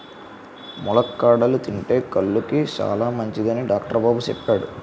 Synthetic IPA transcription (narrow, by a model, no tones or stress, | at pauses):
mulɐkːaːɽɐlut̪iɳʈe̞ːkɐɭːukit͡ʃa̰ːlaːmɐɲt͡ʃid̪ɐniɖaːkʈɐɾɐbaːbut͡ʃepːaːɽu